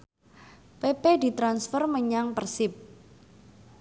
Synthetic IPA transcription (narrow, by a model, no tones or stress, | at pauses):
peped̪i̤t̪ɾansfərməɲaŋpərsɪp̚